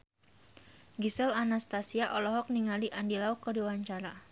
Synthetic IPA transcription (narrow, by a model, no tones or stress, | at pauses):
ɡisɛlanast̪asiaʔɔlɔɦɔk̚niŋaliʔandilaukːədiwaɲt͡ʃaɾa